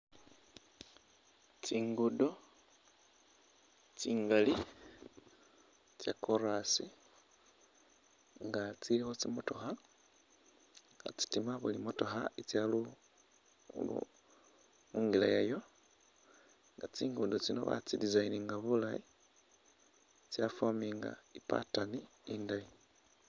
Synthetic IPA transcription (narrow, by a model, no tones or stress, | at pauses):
t͡siŋɡudo | t͡siːŋɡali | t͡ʃjakʰoɾasi | ŋɡat͡silixot͡simuto̞xa | ŋɡa̰t͡si̥timaβulimoto̞xait͡sjalu | lṵ | muːŋɡilajajo̞ | ŋɡat͡siːŋɡuːndut͡sino̰βa̰t͡sidizainiŋɡaβulai | t͡sjafwamiŋɡa̰ipa̰tani | indaji